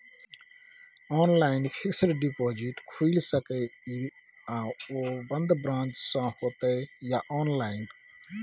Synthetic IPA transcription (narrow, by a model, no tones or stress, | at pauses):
ɔːnlaɪnpʰɪksəɾɖipoːd͡ʒiʈkʰuilsəkəiãobənd̪bɾãːnt͡ʃsãhoːt̪əjaʔɔːnlaɪn